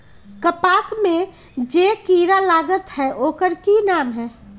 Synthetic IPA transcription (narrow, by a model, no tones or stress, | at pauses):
kəpaːsmẽ | d͡ʒeːkiːɾalaːɡət̪ɦɛʔoːkəɾkinaːmɦɛː